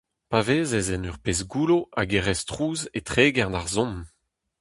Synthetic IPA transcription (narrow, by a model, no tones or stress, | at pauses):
paveːzɛzɛnœʁpeːsɡuloʔaɡeʁɛstχuːzetχeːɡɛʁdaʁzɔ̃m